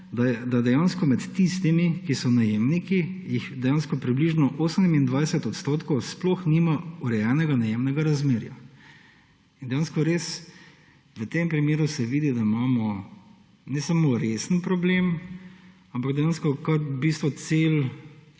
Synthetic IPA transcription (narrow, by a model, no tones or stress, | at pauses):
d̪aɛd̪ad̪ɛjanskɔmɛt̪ːist̪imikisɔnajemnikijixd̪ɛjaːnskɔpɾibliʒnɔʔoːsənmind̪ʋajsɛt̪ɔt̪st̪oːt̪kɔwsplɔxniːmauɾɛjɛnɛɡanajemnɛɡaɾazmeːɾja̰ | ind̪ɛjaːnskɔɾes | ʋət̪empɾimeːɾusɛʋiːd̪id̪aimaːmɔ | nɛsamoɾesənpɾɔblem | ampaɡd̪ɛjaːnskɔkaɾbist̪ʋɔt̪sel